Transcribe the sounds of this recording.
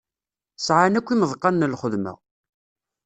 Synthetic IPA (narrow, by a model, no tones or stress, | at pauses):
sʕanækʷːiməðˤqːɑnːəlχəðmə̰ʁ